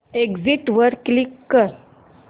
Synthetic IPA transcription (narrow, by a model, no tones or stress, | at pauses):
eɡd͡ziʈʋəɾklikːəɾ